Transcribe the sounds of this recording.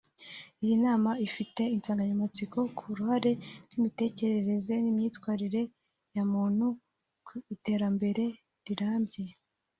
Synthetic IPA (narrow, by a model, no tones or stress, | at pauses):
ijinaːmaifite̞int͡saːŋɡaɲamat͡siko̞kʰuɾuhaɾe̞nimite̞ːce̞ɾeɾe̞ze̞nimɲiːtwaːɾiɾe̞ | jamuːn̥hu | kite̞ːɾambe̞ɾe̞ | ɾiɾaːmbje